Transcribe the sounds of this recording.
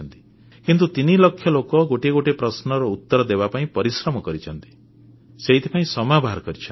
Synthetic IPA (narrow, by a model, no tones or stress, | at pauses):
nt̪i̥ | kint̪ut̪inilɔkʰːjɔlokɔɡoʈeɡoʈepɾɔsnɔɾɔut̪ːɔɾɔd̪ebapaĩpɔɾisɾɔmɔkɔɾit͡ʃʰɔnt̪i̥ | seɦit̪ʰipaĩsɔmabʱaɾɔkɔɾit͡ʃʰɔ